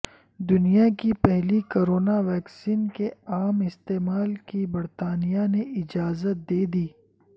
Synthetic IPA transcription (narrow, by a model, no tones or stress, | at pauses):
d̪ʊnijakipɛɦlikoɾoːnaʋɛːksiːnkeaːmɪst̪eːmaːlkibɐɾt̪aːnijaneʔɪd͡ʒaːzət̪̚d̪eːd̪iː